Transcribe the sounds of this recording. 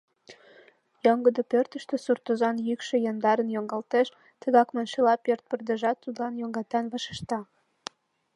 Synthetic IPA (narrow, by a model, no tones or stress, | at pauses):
joŋɡəd̪opørt̪əʃt̪ĕsurt̪ozɑnjykʃĕjɑnd̪ɑɾənjoŋɡɑlt̪eʃ | t̪ə̆ɣɑkmɑnʃelɑpørt̪̚pə̆rd̪ə̆ʒɑt̪ːud̪lɑnjoŋɡɑt̪ɑnβɑʃə̥̆ʃt̪ɑ